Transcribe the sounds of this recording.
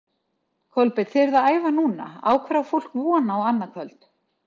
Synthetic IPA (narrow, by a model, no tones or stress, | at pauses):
kʰœlpɪt̪θɪɾðaaːjvanuːna̰a̰ːwkʰvɛɾawful̥kvɔːnaɔɣanːakʰvœlt̪